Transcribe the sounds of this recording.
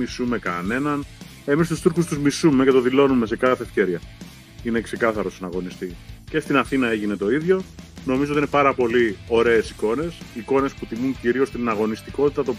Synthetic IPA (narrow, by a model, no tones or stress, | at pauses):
isume̞kɐne̞nɐn | e̞mist̪ust̪uɾxust̪uzmisume̞ce̞t̪o̞ðilo̞nume̞se̞kɐθe̞ːfçeɾiɐ | ine̞kse̞kɐθɐɾo̞snɐɣo̞nist̪ice̞st̪inɐθinɐe̞ʝine̞t̪o̞iðʝo̞no̞mizot̪inepɐɾɐpo̞lio̞ɾe̞ːsiko̞ne̞siko̞ne̞sput̪imuɲciɾio̞st̪innɐɣo̞nist̪iko̞t̪it̪ɐt̪o